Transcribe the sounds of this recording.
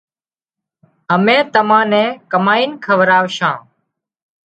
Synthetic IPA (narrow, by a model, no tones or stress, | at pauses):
ɦəmẽːt̪əmãːnɛ̃ːkəmaːiːnkʰəʋɾaːʋʃãː